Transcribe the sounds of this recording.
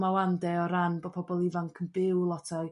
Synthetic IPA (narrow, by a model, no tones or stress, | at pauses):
mawandɛɔɾanbɔpʰɔbɔlˠivaŋkʰənbɪwlˠɔtʰa